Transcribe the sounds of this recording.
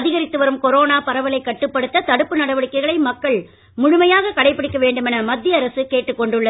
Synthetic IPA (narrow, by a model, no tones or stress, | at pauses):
ðɪɣɐɾɪt̪ːɯʋɐɾɯmkɔɾoːnaːpɐɾɐʋɐlɐɪkːɐʈːɯpːɐɽɯt̪ːɐt̪ɐɽɯpːɯnɐɽɐʋɐɽɪkːɐɪɣɐɭɐɪmɐkːɐɭ | mʊɻʊmɐjaːɣɐkɐɽɐɪpːɐɽɪkːɐʋeːɳɖɯmɛnɐmɐd̪ːɪjɐɾɐsɯkeːʈːɯkːɔɳɖɯɭːɐ